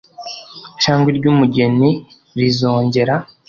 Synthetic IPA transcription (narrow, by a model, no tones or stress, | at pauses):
t͡ʃaːŋɡwiɾɟuːmuɟe̞ni | ɾizo̞ːɲɟe̞ɾa